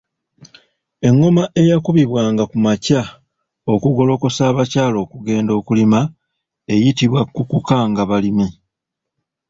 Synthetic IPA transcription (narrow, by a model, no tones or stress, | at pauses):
e̞ŋːo̞maʔe̞jakuβiβwaːŋɡakumaca | o̞kuɡo̞lo̞ko̞saːβacaːlo̞ːkuɡe̞ːndo̞ːkulima | e̞jitiβwakukukaŋɡaβalimi